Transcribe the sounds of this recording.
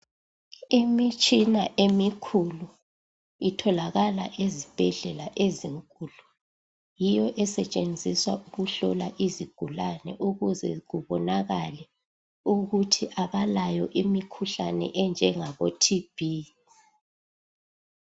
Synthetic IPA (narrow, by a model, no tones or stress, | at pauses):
imit͡ʃʼinaʔemikʰulu | itʰɔlaɣala̰ʔezib̥ʱɛɮɛlaʔeziŋkʼulu | jijɔʔɛsɛt͡ʃʼend͡zʱiswauɣuɬɔlaʔiziɡ̥ʱulanɛ̰ʔuɣuzɛ̰ɣuβɔnaɣalɛ | uɣutʰiʔaβalajɔʔimikʰuɬanɛ̰ʔɛnd͡ʒʱɛŋaɣotʰib̥ʱi